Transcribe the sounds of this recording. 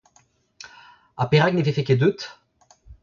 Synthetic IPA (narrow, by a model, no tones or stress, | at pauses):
apeʁaknefefeked̪yt̪